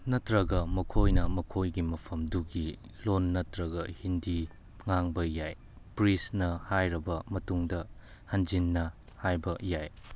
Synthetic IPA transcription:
nɐtɾɐɡɐmɐkʰojnɐmɐkʰojɡimɐpʰɐmduɡi | lonːɐtɾɐɡɐ̰hindi | ŋaŋbɐjaj | pɾisnɐhajɾɐbɐmɐtuŋdɐ | hɐnd͡ʒinːɐ | hajbɐjaj

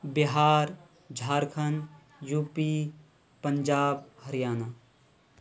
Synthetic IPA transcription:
biɦaːɾ | d͡ʒʱaːɾkʰən | juːpiː | pəɲd͡ʒaːbhɐɾijaːna

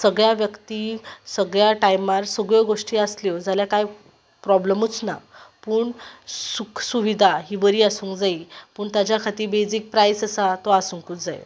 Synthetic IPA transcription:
səɡɭjaʋjəkt̪iːsəɡɭjaʈajmaɾsəɡɭjɔɡoʂʈiːasljɔd͡zaljakaj | pɾɔbləmut͡sna̰puːɳsuksuʋid̪ʱaɦibəɾiːasũːŋkd͡zaiːpəːɳt̪at͡ɕjakʰat̪iːbed͡ziːk̚pɾajsəsat̪ɔasũŋkuːt͡sd͡zaj̰

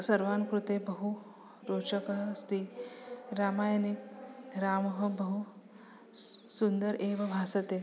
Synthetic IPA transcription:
sɐɾʋaːnkɾut̪eːbɐɦu | ɾoːt͡ʃɐkɐɦɐst̪i | ɾaːmaːjɐnikɾaːmɐɦɐbɐɦu | sund̪ɐɾʔeːʋɐbʱaːsɐt̪e

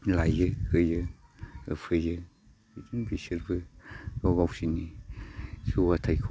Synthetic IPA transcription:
lajɯhɯjɯ | ɯ̰pʰɯjɯ | bidɯnbisɯɾbɯɔɡawsini | suwatʰajkʰ

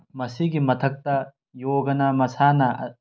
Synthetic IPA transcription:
mɐsiɡimɐt̪ʰɐk̚t̪ɐ | joːɡɐnɐmɐsanɐ

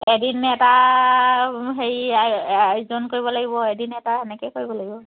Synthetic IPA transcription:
edinɛta | ɦejaajzonkoɹibɔlaɡibɔedinɛtaɛnɛkɛkoɹibɔlaɡibɔ

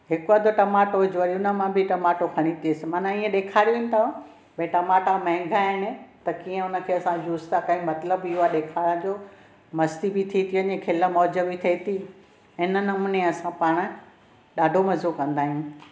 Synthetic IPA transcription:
ɦɪkʊʋad̪oʈɐmaːʈod͡ʑoəɾiʊnə̆mãbʱɪʈɐmaːʈokʰɐɽ̃it̪eːsɪmaːnãiːə̃ɗeːkʰaːɾiunɪ̆t̪ʰã | bẽʈɐmaːʈamɐ̃ɦɪ̃ŋɡʱaːɪñɪt̪ɐkiːə̃ʊnə̆kʰeːɐsãd͡ʑuːst̪akãːɦĩmɐt̪ləbiuaɗeːkʰaːɾə̃d͡ʑo | mɐst̪ibit̪ʰit̪ʰiʋɐɲẽkʰɪlə̆mɔːd͡ʑəʋit̪ʰɐit̪ʰi | ɪnənɪ̆ʊmʊnẽɐsãpaːɽ̃̆ | ɗaːɖʱomɐzokɐ̃nd̪aːɦijũ

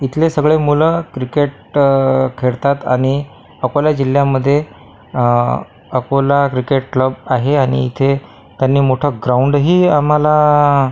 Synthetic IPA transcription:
it̪ʰlesəɡɭemuləkɾikeʈ | kʰeɽt̪at̪a̰ɽ̃i | əkoljad͡ʑil̤ːjaməd̪ʱːje | əkolakɾikeʈ̚kləbaɦeaɽ̃ḭit̪ʰe | t̪janːiːmoʈʰəɡɾauɳɖɦiːam̤ala

